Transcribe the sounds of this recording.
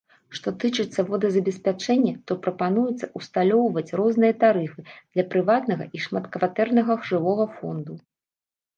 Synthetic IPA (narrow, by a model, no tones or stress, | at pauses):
ʂt̪ɔt̪ɨt͡ʂɨt̪sːɐvɔd̪ɐzɐbʲɛsʲpʲat͡ʂɛnʲːɛt̪ɔpɾɐpanujɛt̪sːɐʔust̪alʲɔwvɐt͡sʲrɔznɨjɐt̪aɾɨfɨd̪̥lʲɐpɾɨvat̪nɐɣɐ̰ʔiʂmat̪kvat̪ɛrnɐɣɐɣʐɨvɔɣɐfɔnd̪u